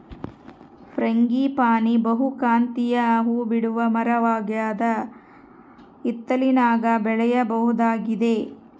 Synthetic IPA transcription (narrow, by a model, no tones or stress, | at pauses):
pɾɐŋɡipaːnibɐɦukaːnt̪ijɐːɦubiɽuʋɐmɐɾɐʋaːɡjaːd̪ɐ | it̪ːɐlinaːɡɐbɛɭɛjɐbɐɦud̪aːɡid̪e̞